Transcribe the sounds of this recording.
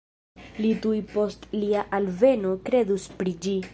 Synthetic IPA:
lidujpo̞stliaʔalve̞no̞kɾe̞duspɾid͡ʒi

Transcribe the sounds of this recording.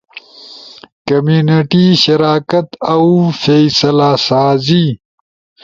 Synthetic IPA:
kɐmjuːneʈiʃɐɾaːkɐt̪awfesɐlasaːzi

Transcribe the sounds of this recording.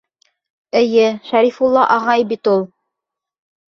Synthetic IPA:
ɘ̆jɘʃæɾifulˠːɑʔɑʁɑjbit̪ulˠ

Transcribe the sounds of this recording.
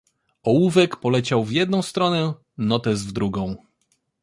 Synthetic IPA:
ɔwuvɛkpɔlɛt͡ɕawvʲjɛd̪̚nɔ̃w̃st̪ɾɔnɛ | nɔt̪ɛzvd̪ɾuɡɔ̃w̃

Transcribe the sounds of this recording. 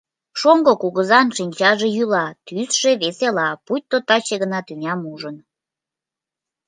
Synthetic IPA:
ʃoŋɡokuɣəzɑnʃinʲt͡ɕɑʒe̽jylɑt̪ysʒ̥eβeselɑput̚ʲt̪ːot̪ɑt͡ɕeɣənɑt̪ynʲɑmuʒən

